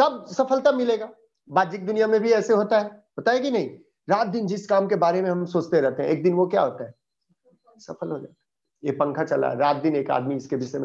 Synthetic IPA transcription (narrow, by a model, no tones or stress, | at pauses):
t̪ɐbsɐfʰəlt̪amɪleːɡaː | baːd̪d͡ʒɪk̚d̪ʊnijamẽbʱiɛːseɦoːt̪aɦɛɦɐt̪aɦɛkinɐɦĩ | ɾaːt̪̚d̪ɪnd͡ʒɪskaːmkebaːɾemẽɦɐmsoːt͡ʃt̪eɾɛɦt̪eɦɛ̃eːk̚d̪ɪnʋokja̰ɦoːt̪aɦɛː | sɐfʰəlɦod͡ʒa̰ːt̪aɦ | jepɐ̃ŋkʰat͡ʃɐla̰ɦɛ̰ɾaːt̪̚d̪ɪneːka̰ːd̪miɪskebʱɪseme